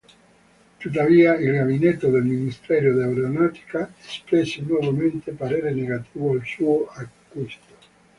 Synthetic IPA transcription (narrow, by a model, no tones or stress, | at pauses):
t̪ut̪ːaviːailɡabinet̪ːod̪elminist̪ɛːɾjod̪eawɾonaːt̪i̥kaespɾɛsːenwɔvament̪epaɾɛːɾeneɡat̪iːvoalsuːoʔakːist̪o̥